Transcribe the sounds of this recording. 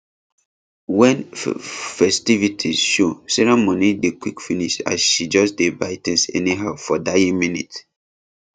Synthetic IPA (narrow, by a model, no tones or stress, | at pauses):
wɛ̃n | fɛstivitʰizʃosɛɹɛmonidekwikfiniʃa̰sʃid͡ʒɔsdebaɪtɛ̃nsɛ̰niɦaʊfɔdaĩminḭt